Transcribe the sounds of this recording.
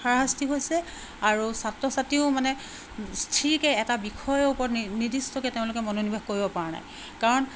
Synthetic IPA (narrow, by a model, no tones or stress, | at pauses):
xaɹaɦastiɦojsɛ | aɹusatɹɔsatiʊmanɛ | stʰɹikɛːtabixʰɔjɔupɔɹɔtnidistɔkɛteʊ̃lʊkɛmɔnonibʱexkoɹibɔpaɹana̰j | kaɹɔn